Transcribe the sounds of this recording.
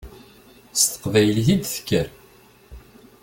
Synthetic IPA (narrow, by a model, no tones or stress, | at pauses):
st̪ə̥qvæjlθid̪θə̥kːəɾ